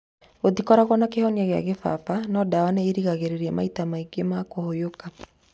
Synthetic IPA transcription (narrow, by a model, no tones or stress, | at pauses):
otikɔɾaɣɔnakehɔniaɣea̰ɣefa̰panɔdawaneiɾiɣaɣeɾeɾiɛma̰itamaiɡemakohojoka